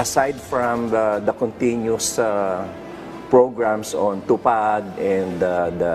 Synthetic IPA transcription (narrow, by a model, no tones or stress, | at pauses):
ʔɐsajd̪fɹãmd̪ɐkɔ̃nt̪ĩnjʊsa | pɹoɡɹãmsɔ̃nt̪ʊpad̪ɛ̃nd̪d̪